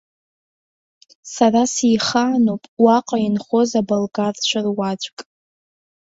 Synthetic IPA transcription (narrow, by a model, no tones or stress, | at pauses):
sarasijχaːnopʼwaqʼainχo̞zabalɡart͡ɕʷʰarwad͡ʒʷʼkʼ